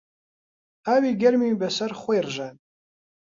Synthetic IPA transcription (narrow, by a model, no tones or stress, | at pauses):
aɥiɡʲermibasarχʷejrʒʷatʼ